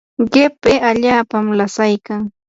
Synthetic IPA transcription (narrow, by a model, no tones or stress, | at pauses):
ɢɪpeʔaʎaːpamlasajkaŋ